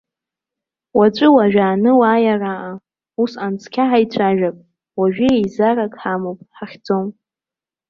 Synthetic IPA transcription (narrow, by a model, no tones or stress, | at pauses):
wat͡ʃʷʼɨwaʒᶣaːnɨwaːjaraʔa | usant͡sʰkʲʰaħajt͡ɕʷʰaʒᶣapʼ | waʒᶣiejzarakʼħamopʼħaχʲd͡zo̞m